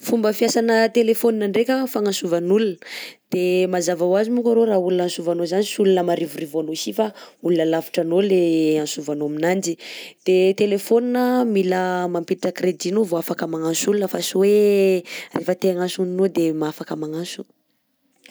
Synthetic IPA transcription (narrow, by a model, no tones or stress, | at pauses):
fumbəfiasanət̪elefoninaɳɖ͡ʐekʲafaŋãsuvanulunə̥d̪̥emazavawazimukaɾoɾaulunãnsuvanozanisulunəmaɾivurivoanoisifaulunəlafi̥ʈ͡ʂanoleãnsuvanominand͡ʒid̪̥et̪elefoninəmiləmampiiʈ͡ʂəkɾed̪inovoafakəmaŋãsulunəfasuwe | refət̪eaŋasuninod̪emaafakəmaŋasu̥